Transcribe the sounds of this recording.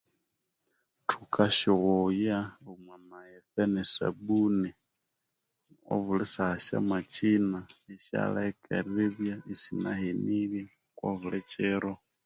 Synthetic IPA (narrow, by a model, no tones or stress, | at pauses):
tʰukʰʼaʃɔɣɔjaumwanajɛθɛnɛsa̰bunɛ | ɔ̰βulɛsaʃa̰mat͡ʃinaiʃa̰laɛkʼɛɾɛðjaisinaɦeniβi | kʼwɔβuɺɛt͡ʃʼɛɾɔ